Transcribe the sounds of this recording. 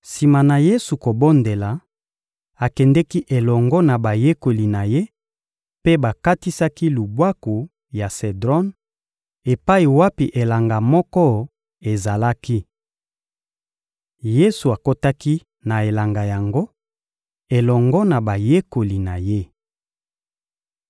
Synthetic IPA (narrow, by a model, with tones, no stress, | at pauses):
si˨ma˨na˨je˦su˨ko˨bo˦nde˨la˨ | a˨kɛ˨ndɛ˦ki˦ʔe˨lɔ˨ŋɡɔ˦na˨ba˨je˦ko˨li˨na˨je˦ | pe˦ba˨ka˦ti˦sa˦ki˦lu˨bwa˦ku˨ | ja˨se˨dʁɔ˦n | e˨pa˦i˨wa˦pi˨ʔe˨la˨ŋɡa˨mɔ˦kɔ˦ | e˨za˨la˦ki˦ | je˦su˨a˨ko˦ta˦ki˦ | na˨e˨la˨ŋɡa˨ja˨ŋɡo˦ | e˨lɔ˨ŋɡɔ˦na˨ba˨je˦ko˨li˨na˨je˦